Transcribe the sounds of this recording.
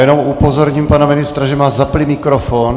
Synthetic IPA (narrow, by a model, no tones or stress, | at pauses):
jɛnomʔupozoɾɲimpanamɪnɪst̪ɾaʒɛmaːzaplimɪkɾofoːn